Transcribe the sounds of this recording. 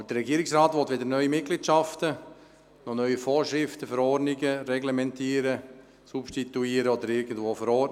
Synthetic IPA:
ɑbəd̥əɾːɛɡiəɾɪksɾaːt̪ʋɔtʋedəɾnœʏimɪt̚ɡ̥litʃɑftə | nɔnœʏifɔːɾʃɾɪftəfəɾɔɾnɪɡəɾɛɡlɛmɛntiːɾə | supʃtit̪uiːəɾəɔd̪əɾɪɡən̩dvoːfəɾɔ

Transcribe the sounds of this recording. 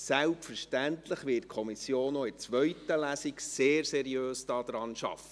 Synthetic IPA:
sælpfəɾʃtæntləχʋɪt̚kʰɔmisjoːnoɪt͡sʋœʏtəlæsikseːɾsɛɾiøːsd̥ɑːd̥̪ɾɑnʃɑ̰fə

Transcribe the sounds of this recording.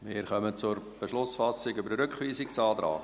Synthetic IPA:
mɪːɾχœmət͡sʊɾ | b̥eʃlʊsfɑsɪɡʏbəɾəɾʏkχʋiːsɪksɑːd̪ɾɑ̰ːɡ

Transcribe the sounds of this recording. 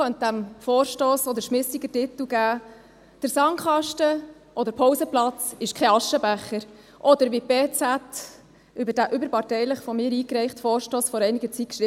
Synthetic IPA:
œnt̚d̪æmfɔːɾʃtoːsɔd̪əɾʃmɪsiɡətɪt̪l̩ɡæː | d̥əɾsɑŋχɑʃtə | ʔɔd̪əɾpʰɔwsəplɑt͡sɪʃkʰɛɑʃəbæχəɾ | ʔɔd̪əɾʋipeːt͡sæt | ʏbəɾd̥æʔʏbəɾpɑtɛɪləχfɔmɪːɾiːkɾɛɪχtfɔːɾʃtoːsfɔɾɛɪniɡət͡sit̚kʃɾɪ

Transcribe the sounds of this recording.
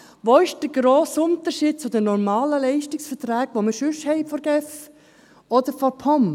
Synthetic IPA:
ʋoːɪʃd̥əɡɾoːsʊnt̪əɾʃiːd̚t͡sʊdənɔɾmɑːləlɛɪʃtɪksfəɾtɾæːɡ̥ʋoməʃʏʃhɛɪfɔɾɡ̥ɛf | ɔd̥̪əɾfɔɾpʰɔm

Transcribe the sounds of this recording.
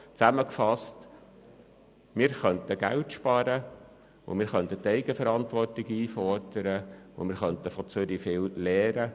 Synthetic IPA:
t͡sæməkfɑst | mɪːɾχœnt̪əɡ̥æ̰wtʃpɑːɾə | ʊ̰mɪːɾχœnt̪ətɛɪɡəfəɾɑnt̪ʋɔrtɪɡiːfɔrd̥əɾəʊ̰mɪːɾχœnt̪əfɔt͡søɾifɪllɛːɾə

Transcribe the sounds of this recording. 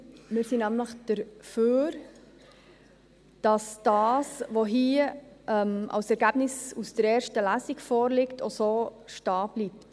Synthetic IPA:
mɪːɾsinæmləχd̥əɾføːɾ | d̥ɑsd̥ɑːsʋoɦiəʔɛmʔɑ̰wsɛɾɡæb̥nɪsusd̥əɾɛːɾʃtəlæsikfɔːɾlɪktʰosoːʃtɑːb̥lipt

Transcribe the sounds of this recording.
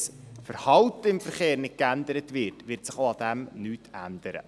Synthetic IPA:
sfəɾhɑltəɪmfəɾχeːɾnɪt̚kændəɾətʋɪrtʋɪrtsɪχoɑdɛmnyːtændəɾə̰

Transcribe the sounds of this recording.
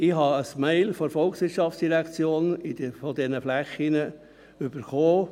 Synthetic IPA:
ɪhɦɑəsmeɪlfɔɾfɔlksʋɪɾtʃɑft͡sd̥iɾækt͡sjoːnɪdfɔd̪ɛnəflæχinə | ʏb̥əɾχoː

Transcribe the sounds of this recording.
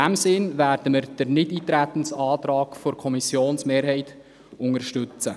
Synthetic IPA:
æmsɪnʋæːɾd̥əməɾd̥əɾnɪdiːtɾæt̪ən̩sɑːt̪ɾɑːkfoɾkʰɔmisjoːnsmeːɾhɛɪt̪ | ʊŋəɾʃtʉt͡sə

